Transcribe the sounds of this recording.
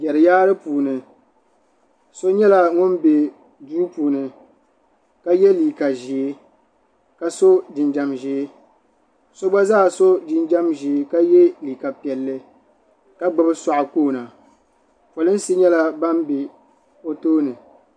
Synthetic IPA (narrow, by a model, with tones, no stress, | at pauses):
jɛ˨ɾɨ˨jaː˦ɾɨ˦puː˨nɨ˨ | so˦ɲɛ˦la˨ŋʊ˦nbe˨ | duː˦puː˨nɨ˨ | ka˦jɛ˦liː˨ka˨ʒi˨e˦ | ka˦so˦dɪ˨nd͡ʒa˨mʒi˨e˦ | so˦ba˦zaː˦˨so˦dɪ˦nd͡ʒa˦mʒi˨ka˦jɛ˦liː˨ka˨pi˨ɛ˨lːɨ˦ | ka˦ɡ͡ba˦bɨ˦sa˨ʔʊ˨koː˦˨na˨ | fo˨lɨ˦n̩˦si˦ɲɛ˦la˦ba˦mbe˨ | o˦toː˦nɨ˨